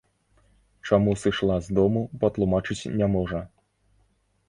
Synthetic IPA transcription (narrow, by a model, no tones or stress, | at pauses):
t͡ʂamusɨʂlˠazd̪ɔmupɐt̪lˠumat͡ʂɨt͡sʲnʲamɔʐɐ